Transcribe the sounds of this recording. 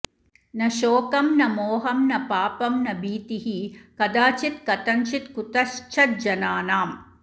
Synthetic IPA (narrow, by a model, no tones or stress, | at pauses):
nɐʃoːkɐmnɐmoːɦɐmnɐpaːpɐmnɐbiːt̪iɦikɐd̪aːt͡ʃit̪kɐt̪ɐnt͡ʃit̪kut̪ɐʃt͡ʃʰɐt̪̚d͡ʒɐnaːnaːm